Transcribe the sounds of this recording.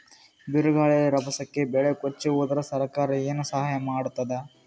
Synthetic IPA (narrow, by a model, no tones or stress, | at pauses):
biɾuɡaːɭijɐɾɐbɐsɐkːe̞bɛɭekot͡ʃːiʋoːd̪ɐɾɐsɐɾɐkaːɾɐeːnusɐɦaːjɐmaːɽut̪ːɐd̪e